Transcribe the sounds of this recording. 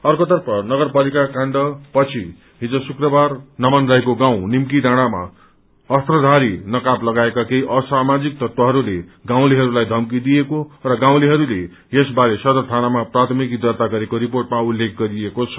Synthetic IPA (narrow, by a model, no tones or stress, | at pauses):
ʌrkot̪ʌrpʰʌnʌɡʌrpalikakaɳɖʌpʌt͡sʰi | ɦid͡zosukrʌbarnʌmanrajkoɡaw̃nimkiɖaɽ̃ama̰ | ʌst̪rʌd̪ʱaɾinʌkaplʌɡaekakejʔʌsamad͡zik̚t̪ʌt̪ʌɦʌɾuleɡãw̃liɦʌɾulajd̪ʱʌmkid̪ijekorʌɡãw̃liɦʌɾule | jesbaɾesʌd̪ʌt̪ʰanamaprat̪ʰʌmikid̪ʌrt̪aɡʌɾekoɾiporʈmaulːek̚ʰɡʌɾiekot͡sʰʌ̥